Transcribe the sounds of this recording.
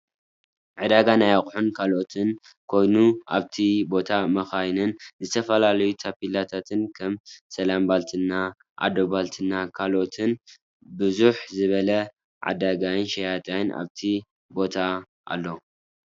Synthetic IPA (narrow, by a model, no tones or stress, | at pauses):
ʕɨd̪aɡanajaχʼħunkʰalʔo̞t̪ʰɨn | kʰo̞jnuʔa̰βt̪ʰibo̞t̪ʰamɐxajnɨnzɨt̪ʰɐfɐlalɐjut̪ʰapilat̪ʰat̪ʰɨnkʰɐmsɐlambalt̪ʰɨnːa | ʔa̰d̪obalt̪ʰɨnːakʰalʔo̞t̪ʰɨn | bɨzuħzɨβɐlɐ | ʕa̰d̪aɡajɨnʃɐjat̪ʼajnʔa̰βt̪ʰi | bo̞t̪ʰa | ʔa̰lːo